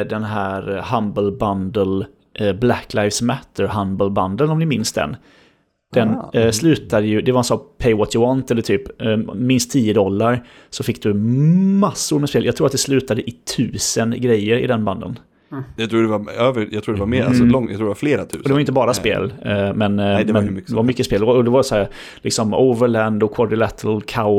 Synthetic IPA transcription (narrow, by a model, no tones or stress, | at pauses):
d̪ɛnɦæːɾhambəlband̪əl | ʔblækːlaɪfsmæt̪ːəɾɦambəlband̪əlnɔmd̪ɪmɪnsd̪ɛ̰n | d̪̥ɛnslʉ̟ːt̪ad̪əjɵd̪ɛvaansɔpʰɛɪwɔt̪jəwɑːnt̪ɛlːəʈʰyːpmɪnst̪ʰːiːəd̪ɔlːaɾ | sɔfɪkːd̪ɵmasːʊɾmɛspeːljɑɡ̚t̪ʰɾuːɾt̪d̪ɛslʉːt̪ad̪əʔɪt̪ʰʉ̟ːsənɡɾɛjːəɾɪ̰d̪ɛnband̪ə̰n | jɑt̪ʰɾuːɖɛvaøːvəjɑt̪ʰuːɖɛvameːɾa̰sɔlɔŋj̰t̪ʰɾuːdɛvafleːɾat̪ʰʉ̰ːd̪ɛvajʏnt̪əbɑːɾasppḛːlmɛndɛd̪ɛvaɾmʏkːəspeːlɔd̪ɛvaɾsɔhæːɾ | lɪksɔmoʊvəɭænd̪ɔkʰɔɖɪlɛt̪ʰəlkʰaʊ